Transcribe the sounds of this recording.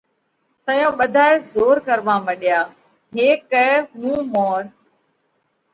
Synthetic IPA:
t̪ɐ̃jõɓɐd̪ʱaːezoːɾkɐɾʋãːmɐɗijaː | ɦeːkəɦũːmoːɾ

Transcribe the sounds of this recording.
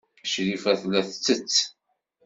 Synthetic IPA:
ʃɾifæθlæθt͡sːət͡sː

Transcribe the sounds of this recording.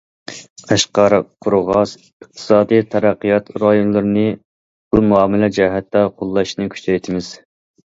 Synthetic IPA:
æʃqɑɾqʰʊɾʁɑs | əq̚t̪ʰɨ̥sɑːd̪ɨjt̪ʰɑɾæqːijɑt̪ɾɑjonlˠɨɾɨnɨ | b̥umuɑːmɪlɛd͡ʒɛɦɛt̪ːɑqʰolˠːɑʃnɨkʲʰy̥t͡ʃɛjt̪ʰɪmɪz̥

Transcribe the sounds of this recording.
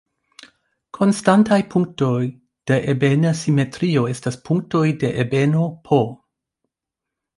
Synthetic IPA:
kʰo̞nstantajpʰuŋk̚to̞j | d̥e̞ʔebenasime̞tɾioe̞staspʰuŋk̚to̞jde̞ʔebe̞no̞pʰo

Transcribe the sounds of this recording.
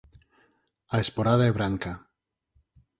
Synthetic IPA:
aespoɾaðaeβɾaŋka

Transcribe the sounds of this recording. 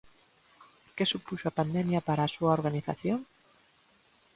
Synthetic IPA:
kesupuʃoapand̪ɛmjapaɾaːsuaoɾɣaniθa̰θjoŋ

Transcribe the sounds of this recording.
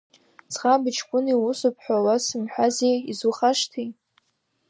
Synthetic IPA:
t͡sʰχabɨt͡ʃʰkʷʼʊniwʊsʊpʰħʷᶣawasɨmħʷᶣazejizuχaʂtʰi

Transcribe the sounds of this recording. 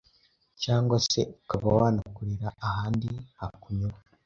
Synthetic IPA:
caːŋɡwase̞̰ukaβawaːnakuɾiɾaːhaːndihakuɲoɾa

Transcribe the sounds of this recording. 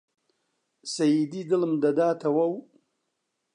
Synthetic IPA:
sɐjid̪id̪əlmd̪ɐd̪aːt̪ʰɐwɐw

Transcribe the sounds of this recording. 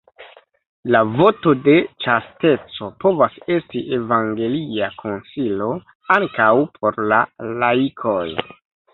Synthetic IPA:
lavo̞to̞de̞t͡ʃaste̞t͡so̞po̞vase̞stiʔe̞vaŋɡe̞liakʰo̞nsilo̞ | aŋkawpʰo̞ɾlalaikʰoj

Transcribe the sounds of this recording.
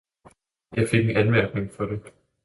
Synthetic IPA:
jɑ̈ɪfe̝ɡ̥enænmæɐ̰ɡ̥ne̝ŋfɒ̽ɾ̥e

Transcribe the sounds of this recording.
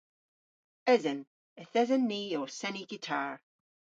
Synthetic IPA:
ɪzən | əθɪzənːiːɔsɛniɡ̥itʰaːɹ

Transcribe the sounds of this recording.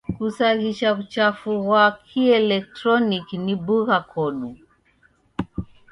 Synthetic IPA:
kusaɣiʃakut͡ʃafuɣwakʰiɛlɛk̚tɾɔnikinibuɣakʰɔɗu

